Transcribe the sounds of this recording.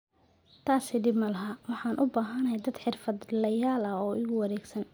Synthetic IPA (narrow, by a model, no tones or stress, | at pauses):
t̪ʰaːsɪd̪ɪbmɐlɐɦɐwɑħɑːnʔʊbaːɦɐnɐd̪ɐd̪ħɪrfɐd̪lɐjaːlɐɔːɪɣʊwɑɾɛːɡsɐn